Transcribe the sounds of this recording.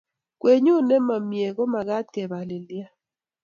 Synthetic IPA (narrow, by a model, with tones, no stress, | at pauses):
kwe˨ɲu˦nɛ˦ma˨mje˨ɡɔ˦ma˨ɡa˦t̪̚kɛ˨ba˨le˨li˦a˦